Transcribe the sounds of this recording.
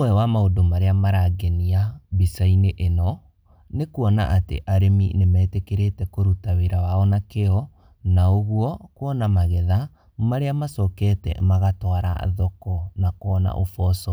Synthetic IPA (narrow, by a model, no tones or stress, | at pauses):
wɛwamaodomaɾeamaɾaɡɛniabisaineʔenɔ | nekuɔna̰ʔatḛʔaɾeminemɛːtekeɾetɛkoɾutaweɾawaɔnakeɔ | naoɣuɔkwɔnamaɣɛða | maɾeamasɔkɛtɛ̰maɣatwaɾa̰ðɔkɔnakoɔna̰ʔofɔsɔ